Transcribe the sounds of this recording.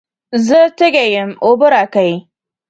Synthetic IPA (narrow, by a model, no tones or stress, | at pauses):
zətɪɡʲejɪmʔobʊɾakaj